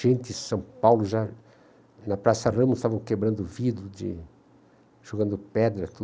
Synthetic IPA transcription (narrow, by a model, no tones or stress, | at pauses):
ʒẽnt̪ɪsɐ̃w̃pawlʊʒa | nɐpɾasɐrɐ̃mɐɪst̪avɐ̃w̃kebɾɐ̃nd̪ʊvid̪ɾʊd͡ʒɪ̰ | ʒ̥oɡɐ̃nd̪ʊpɛd̪ɾɐt̪u